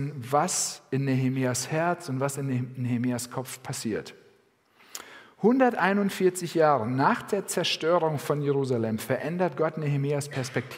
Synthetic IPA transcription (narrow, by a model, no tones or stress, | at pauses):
nvasɪnːeɦemiːashɛɐt͡sʊntv̥asɪnːehemiːaskʰɔp͡fpʰasiːɐt | hʊndɐtʔaɪnʊntfɪɐt͡sɪçjaːʁənaːχd̥eːɐt͡sɛɐʃtøːʁʊŋfɔnjeʁuːzalɛmfɛɐʔɛndɐt̚ɡ̥ɔtnehemiːaspʰɛɐspɛk̚tʰː